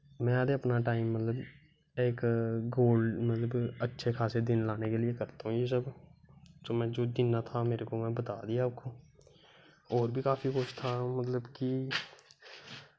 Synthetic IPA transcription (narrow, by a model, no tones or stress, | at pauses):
mɛ̃ːaːɾeɐpnaʈaːɪmːɐt̪ləb | eːkɡoːlɖmɐt̪ləbɐtːʃʰekʰaːsed̪ɪnlaːnekeliekɐɾt̪aɦũjes̬əb | t̪oːmɛ̃ːd͡ʒoːd̪ɪnːat̪ʰameːɾekomɛ̃ːbɐt̪a̰ːd̪ijaaːp̚ko | ɔːɾbʱikaːfikʊʃt̪ʰamɐt̪ləbki